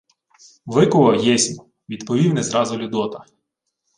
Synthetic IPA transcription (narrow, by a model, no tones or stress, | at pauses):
ʋɪkʊʋɐwjɛsʲnʲɔ | ʋʲid̪pɔʋʲiwnɛzɾɑzʊlʲʊd̪ɔt̪ɐ